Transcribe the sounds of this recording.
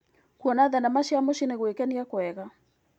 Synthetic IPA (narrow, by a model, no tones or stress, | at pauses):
kwɔnaðɛnamaʃiamoʃineɣwekɛniakoɛɣa